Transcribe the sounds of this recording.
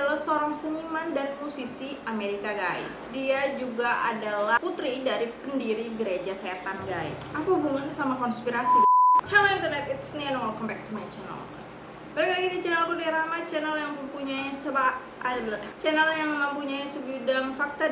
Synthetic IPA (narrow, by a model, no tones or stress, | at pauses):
alasoɾɔŋsəɲimandanpusisiameɾikaɡa̰ɪ̰sdiad͡ʒuɡaʔa̰dalaput̪ɾidaɾipəndiɾiɡəɾed͡ʒaset̪anɡaɪ̰sakubuŋansamakɔnspiɾasihɛlint̪ərnɛt̪ɪt̪snianɔŋɔkɔmpɛk̚t̪umant͡ʃɛnə̰l̰ | bakaɡid̪it͡ʃɛnəlk̪udiaɾamat͡ʃɛnəljaŋməmpuɲaisəba | abilat͡ʃɛnəljaŋməməmpuɲaisəɡudaŋfak̚t̪a